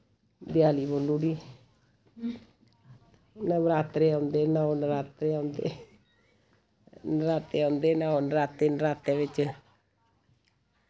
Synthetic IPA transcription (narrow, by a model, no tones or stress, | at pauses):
d̪jaːlibolːuːɖiː | nabɾaːt̪ɾeːɔ̃ːnd̪eːnaonəɾaːt̪ɾeːaːnd̪ḛ | nɾaːt̪eõːnd̪eːnaonɾaːt̪eːnɾaːt̪eːʋɪt͡ʃ